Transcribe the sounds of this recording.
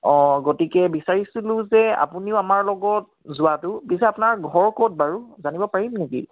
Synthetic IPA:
ɔ̃ɡotikɛbisaɹisulʊ̃zɛa̰puniʊamaɹlɔɡɔt̚zʊwatʊbisɛapʊnaɹɡʱɔɹkot̚baɹuzanibɔpaɹimneki

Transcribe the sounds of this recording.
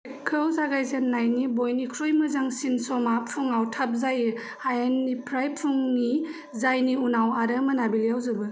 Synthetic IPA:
kʰɯwzaɡajzenːajnibojnikʰɾojmɯzaŋsinsɔmapʰuŋawtʰap̚zajɯ | hajenːipʰɾajpʰuŋni | zajniunawaɾəmɐnabiljawzɯbɯ

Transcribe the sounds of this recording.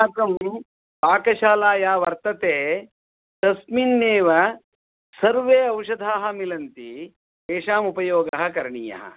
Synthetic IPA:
aːkɐmi | paːkɐʃaːlaːjaːʋɐɾt̪ɐt̪eː | t̪ɐsminːeːʋɐ | sɐɾʋeːɐwʂɐd̪ʱaːɦɐ̆milɐnt̪i | eːʃaːmupɐjoːɡɐɦɐ̆kɐɾɳijɐ̰ɦɐ̰

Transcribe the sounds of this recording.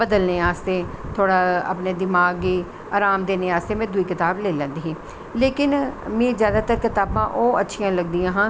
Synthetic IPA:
bəd̪əlneːaːst̪eːt̪ʰoːɽaːə̰pneːd̪ɪmaːɡiː | aːɾaːmd̪eːneːaːst̪eːmɛ̃ːd̪ʊiːkɪt̪aːbleːlɛ̃ːnd̪iːɦeː | leːkɪnmẽːzjaːd̪aːt̪əɾkɪt̪aːbãːʔoːətːʃʰijãːləɡd̪ijãːɦãː

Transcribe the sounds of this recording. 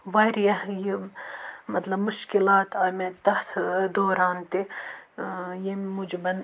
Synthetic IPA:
ʋaːɾijɐji | mɐt̪lɐbmʊʃkilaːt̪ɐmet̪ɐht̪ʰd̪oːɾaːnt̪e | jemud͡ʒbɐn

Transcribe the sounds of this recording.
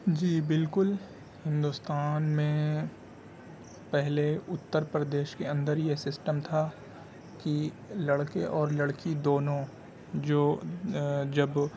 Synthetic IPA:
d͡ʒiːbɪlkʊl | hɪ̃nd̪ʊst̪aːnmẽ | pɛɦleʊt̪ːəɾpɾəd̪eːʃkeɐ̃nd̪əɾjesɪsʈəmt̪ʰa | ki | lɐɽkeʔɔːɾlɐɽkid̪oːnõ | d͡ʒoː | d͡ʒɐb

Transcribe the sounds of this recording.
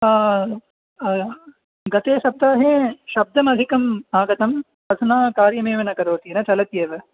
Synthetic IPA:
ɡɐt̪eːʃɐb̚d̪aːɦeːʃɐb̚d̪ʱɐmɐd̪ʱikɐmaːɡɐt̪ɐm | pɐd̪ʰʱɐnaːkaːɾjɐmeːʋɐnɐkɐɾoːt̪inɐt͡ʃɐlɐt̪jeːʋɐ

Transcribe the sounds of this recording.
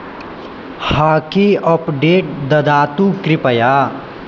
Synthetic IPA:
haːkeɔpɖeːʈ̚d̪ɐd̪aːt̪ukɾɪpəjaː

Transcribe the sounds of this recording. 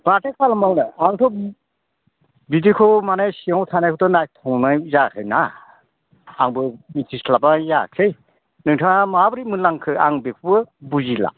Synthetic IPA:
matʰekʰalmawnɯaŋtʰɔ | bidikʰɔmanajsiawtʰanajkʰutɔnajtʰɔŋnajzakʰɯjna | ŋbɯmitʰislabajakʰɯj | nɯŋtʰaŋamabɾimɯlaŋkʰɯaŋbekʰubɯbuzila̰

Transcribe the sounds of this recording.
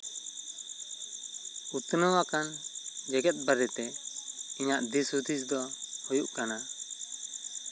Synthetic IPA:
ut̪nəwakand͡ʒɛɡɛt̪̚bəɾɛt̪ɛiɲaʔd̪isud̪isd̪ɔhujuʔkana

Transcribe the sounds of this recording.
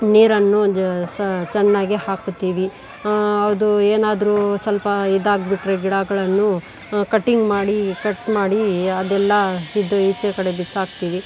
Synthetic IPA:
niːɾɐnːust͡ʃɛnːaːɡihaːkut̪ːiːʋi | ɐʋd̪ueːnaːd̪ɾuːsɐlpɐid̪aːɡbiʈːɾeɡiɽaːɡɐɭɐnːu | kɐʈːiŋɡmaːɽikɐʈmaːɽiɐd̪ɛlːɐid̪uit͡ʃːekɐɽebisaːɡ̚t̪iːʋi

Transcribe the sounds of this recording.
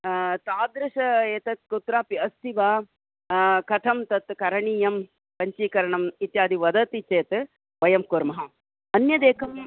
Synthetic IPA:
t̪aːd̪ɾɐʃɐeːt̪ɐt̪̚kut̪ɾaːpiɐst̪ʰiʋaː | kɐt̪ʰɐmt̪ɐt̪kɐɾɐɳiːjɐm | pɐɲt͡ʃiːkɐɾɐɳɐmit̪jaːd̪iʋɐd̪ɐt̪it͡ʃeːt̪ | ʋɐjɐmkuːɾmɐɦɐ | ɐnjɐd̪eːkʰɐm

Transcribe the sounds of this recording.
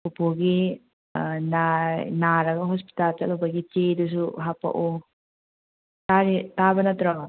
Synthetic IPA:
upoɡi | nanaɾɐɡɐɦɔspi̥talt͡ʃa̰lɔbaɡit͡ʃedus̬uɦapːa̰ʔu | taɾitabɐnat̪ɾa

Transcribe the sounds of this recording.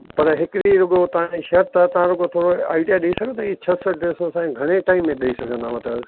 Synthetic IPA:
pɐɾɦɪkɾiɾʊɡot̪ɐʋ̤ãiʃɐɦɾt̪ɐt̪ɐʋ̤ãɾʊɡot̪ʰoːɽoa̰ːiɖijaɗiisɐɡ̃ʱt̪ɐit͡ɕʰɐsəɖesõsãẽɡʱɐɽ̃eʈaːimːẽɗɐisɐɡʱə̃nd̪amɐt̪əd

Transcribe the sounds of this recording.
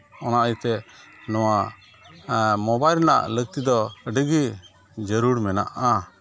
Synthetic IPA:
ɔnaʔjt̪ɛnɔwa | mɔbajlna̰ʔlək̚t̪id̪ɔɖəɡi | d͡ʒəɾuɽmɛna̰ʔa

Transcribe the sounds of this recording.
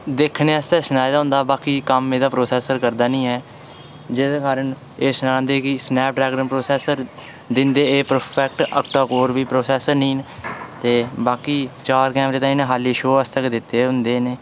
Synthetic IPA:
d̪eːkʰneːəst̪ɛːsənaːjd̪aɦʊ̃ːnd̪aːbaːkiːkəmːeːd̪aːpɾoːsɛːsəɾkəɾd̪aːnĩːɦɛː | d͡ʒɪskaːɾəɳ | eːsənaːnd̪eːkɪsnɛːp̚ɖɾɛːɡɾənpɾoːsɛːsəɾ | d̪ɪnd̪eːeːpəɾpʰɛːk̚ʈə̰kʈaːkoːɾbiːpɾoːsɛːsəɾnĩːnt̪eːbaːkiːt͡ʃaːɾkɛ̃ːmɾeːt̪ãːiːnãːɦaːliːʃoːəst̪əkd̪ɪt̪ːeːɦʊnd̪eːneː

